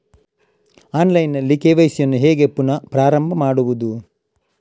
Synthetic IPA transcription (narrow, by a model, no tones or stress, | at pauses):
aːnlɐjnːɐlːikeːʋɐjisijɐnːuɦeːɡepːunɐpɾaːɾɐmbʱɐmaːɽuʋud̪u